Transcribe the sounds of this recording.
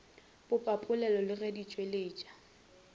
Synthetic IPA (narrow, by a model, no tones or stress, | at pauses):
b̥ʊpʼapʼʊlɛlɔlɪredit͡ʃʼweleːt͡ʃʼḁ